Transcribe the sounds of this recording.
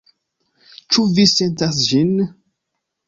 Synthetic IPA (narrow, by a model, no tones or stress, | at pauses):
t͡ʃuvisentas̬d͡ʒin